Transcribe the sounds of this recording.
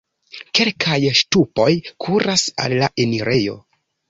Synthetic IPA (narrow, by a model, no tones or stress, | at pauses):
ke̞lkʰajʃtupo̞jkʰuɾasa̰lːaʔe̞niɾe̞jo̞̰